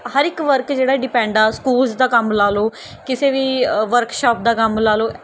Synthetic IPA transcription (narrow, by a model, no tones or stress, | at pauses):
həɾɪkʋəɾkd͡ʒeːɽaːɖɪpɛ̃ːɳɖaːskuːlzd̪aːkəmlaːloː | kɪseːʋiːʋəɾkʃaːp̚d̪aːkəmlaːloː